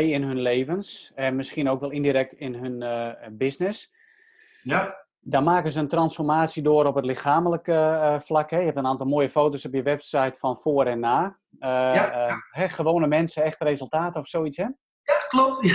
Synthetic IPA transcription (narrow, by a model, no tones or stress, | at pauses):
jɪnɦønleːvənsɛmɪskiənoːkʋɛlˠindiɾɛk̚tɪnɦønbɪsnɪs | damaːkənzəəntrɑnsfɔrmaːtsjədoːəɾɔpətlɪxaːmələkəflakɦɛjəhɛp̚tənaːntɔlˠmoːjəfoːtosɔpjəʋɛpsajtfɔnfoːɾɛnːaː | ɦɛxəʋoːnəmɛnsəɛxtərezəlˠtaːtɔfsoːitshɛ | aklɔp̚t